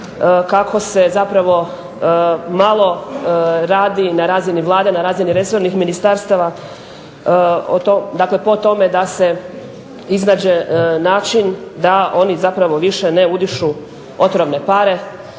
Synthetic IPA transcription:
kakʰo̞se̞zapɾaʋo̞ | malˠo̞ | ɾaːd̪inaɾaːziniʋlˠaːd̪enaɾaːziniɾe̞so̞ɾnixminist̪aɾst̪aʋa | o̰t̪od̪akle̞po̞t̪o̞me̞d̪ase̞ | iznaːd͡ʑenaːt͡ʃind̪aʔo̞nizapɾaʋo̞ʋiʃe̞ne̞ud̪iʃu | o̞t̪ɾoʋne̞paɾe̞

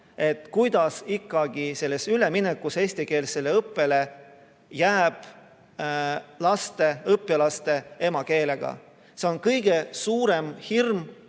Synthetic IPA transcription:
e̞t̪ːkujd̪̥ɑsikːɑɡ̥ise̞lːe̞syle̞minekːˑuse̞ːsʲt̪ike̞ːlse̞leɤpːe̞le̞ | jæːb̥ | lɑst̪e̞ɤpːˑilɑst̪e̞e̞mɑke̞ːle̞ɡ̥ɑ̰ | se̞o̞nkɤjɡ̥e̞suːɾe̞mhirm

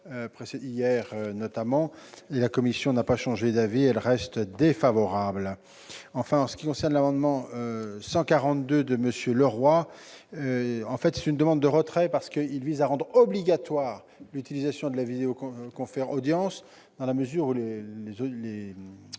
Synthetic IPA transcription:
øpχeseijɛʁønɔt̪amɑ̃elakɔmisjɔ̃napaʃɑ̃ʒed̪aviɛlʁɛst̪d̪efavɔʁabl | ɑ̃fɛ̃ɑ̃sə̥kʲikɔ̃sɛʁnlamɑ̃d̪mɑ̃øsɑ̃kaʁɑ̃t̪d̪ød̪əməsjøləʁwaøɑ̃fɛt̪sɛ̥t̪ynd̪əmɑ̃d̪ːəʁət̪χɛpaʁsə̥kəilvizaʁɑ̃d̪ʁɔbliɡat̪waːʁ | lyt̪ilizasjɔ̃d̪əlavid̪eokkɔ̃fɛʁɔd̪jɑ̃s | d̪̥ɑ̃laməzyʁulelezle

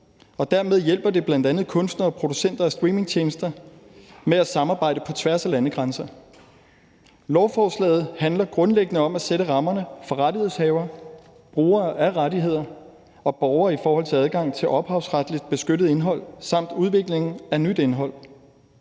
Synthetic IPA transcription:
ɒ̽d̥æɐme̝ð̞ˠjel̰b̥ɐd̥e̝b̥lænd̥ænð̩ˠkʰɔ̽nsd̥nɐːpʰʁo̝d̥usen̰d̥ɐæsd̥ʁiːme̝ŋt͡ɕʰeːnəsd̥ɐ | meæsɑ̈mɑ̈ːb̥ɑ̈ɪ̰dəpʰɒ̽t͡sʰʋæɐsælænəɡ̥ʁɑnsɐ | lɒʊfɒːslɛ̰ːð̞̩ˠhænlɐɡ̥ʁɔ̽nleɡ̥ənəɒ̽mæseɾəʁɑ̈mɐnəfɒ̽ʁaɾihe̝shɛːʊɐ | b̥ʁuːɐːʔæʁaɾiɦe̝ð̰ˠɐ | ɒ̽b̥ɒʊɐːifɒːhɒ̽l̰t͡sʰe̝æð̞ˠɡ̥ɑ̈ŋ̰t͡sʰe̝lʔɒ̽b̥hɑ̈ʊsʁad̥lid̥̚b̥e̝sɡ̥øɾəð̞̩ˠe̝nɦɒ̽l̰sɑ̈m̰d̥uð̞ˠʋe̝ɡ̥le̝ŋn̩ænyd̥e̝nɦɒ̽l̰

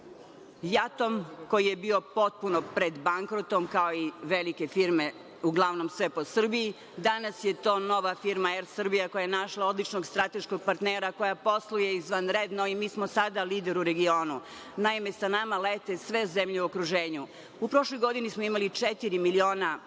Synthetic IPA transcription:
jat̪o̞mko̞jije̞bio̞po̞t̪̚punopɾed̪baŋkɾot̪omkao̞iʋelike̞fiɾme̞ | uɡlˠaʋno̞msʋe̞po̞sr̩biji | d̪anasje̞t̪o̞ːno̞ʋafiɾmaɛɾsr̩bijakojajenaʃlˠao̞d̪lit͡ʃno̞ɡst̪ɾat̪e̞ʃkoɡ̚paɾt̪neːɾako̞japo̞slˠujeizʋanɾed̪noimiːsmo̞sad̪aliːd̪eɾuɾe̞ɡio̞ːnu | naime̞sanamalet̪e̞sʋe̞zemʎeuokɾuʒeːɲu | upɾo̞ʃlojɡo̞d̪inismoimalit͡ʂet̪iɾimilio̞ːna

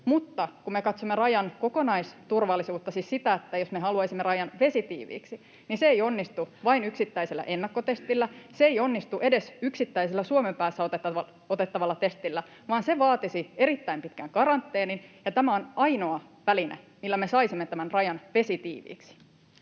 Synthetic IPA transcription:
mut̪ːɑkumekɑt̪somːerɑjɑnko̞konɑist̪urʋɑlːisuːt̪ːɑsissit̪æet̪ːæjosmeɦɑluɑisimːerɑjɑnʋe̞sit̪ḭːʋḭːksi | niseejonːist̪uʋɑinyksit̪ːæiselːæ̰ʔe̞nːɑkːot̪e̞st̪ilːæseeijo̞nːist̪uʔe̞de̞syksit̪ːæiselːæsuomempæːsːæot̪et̪ːɑɑ | ot̪et̪ːɑʋɑlːɑt̪e̞st̪ilːæ | ʋɑːnseʋɑːt̪isie̞ɾit̪ːæimpit̪kæŋkɑɾɑnt̪ːeːninjɑt̪æmæonɑino̞ɑʋælinḛ | milːæmesɑisimːet̪æmænrɑjɑnʋe̞sit̪ḭːʋḭːksi̥

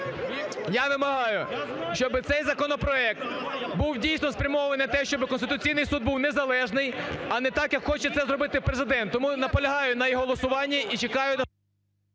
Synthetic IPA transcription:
jɑʋɪmɐɦɑjʊʃt͡ʃɔbɪt̪sɛjzɐkɔnɔpɾɔɛk̚t̪buwdʲijsnɔspɾʲɐmɔʋɐnɪt̪ɛʃt͡ʃɔbɪkɔnst̪ɪt̪ʊt͡sʲijnɪjsud̪̚buwnezɐlˠɛʒnɪjɐnɛt̪ɑkjɐkxɔt͡ʃɛt̪sɛzɾɔbɪt̪ɪpɾezɪd̪ɛnt̪ːɔmunɐpɔlʲɐɦɑjʊnɐjɦɔlˠɔsʊʋɑnʲːiʔit͡ʃekɑjʊnɐ

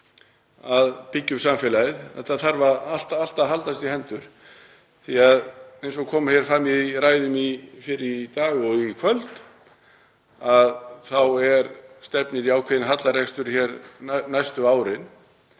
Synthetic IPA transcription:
aðpɪcːʏmsamfɛlaɪðθɛht̪ːaθaɾvaal̥t̪al̥t̪aɦalt̪ast̪ihɛnt̪ʏɾ̥ | θiaðejnsɔkʰɔːmaçɛɾ̥fɾamːiðraːjðʏmifɪɾɪt̪aːɣɔɣikʰvœlt̪ | aðθawɛɾst̪ɛpnɪɾiaːwkʰvɛðɪnɦat̪larɛkst̪ʏɾçɛɾnajst̪ʏaːwɾɪn

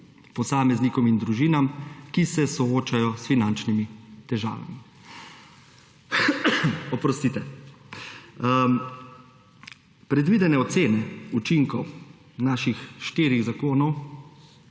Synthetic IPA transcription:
pɔsaːmɛznikɔmind̪ɾuʒiːnamkisɛsɔoːt͡ʃajɔsfinant͡ʃnimit̪ɛʒa̰ːʋa̰mi | ɔpɾɔst̪it̪ɛ | pɾɛd̪ʋiːd̪ɛnɛɔt̪seːnɛut͡ʃiŋkɔw | naːʃixʃt̪iːɾiɣzakoːnɔw

